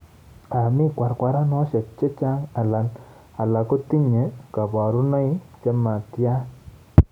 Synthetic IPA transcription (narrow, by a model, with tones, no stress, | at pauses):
a˨mɪ˦kwa˨ɾkwa˨ɾa˦n˦ɔ˦ʃa˨t͡ʃe˦t͡ʃa˦ŋa˨la˨n | a˨la˨ko˦ti˦ɲe˨˦ka˨bɔ˨ɾu˦nɔ˦i˦t͡ʃɛ˦ma˨tja˦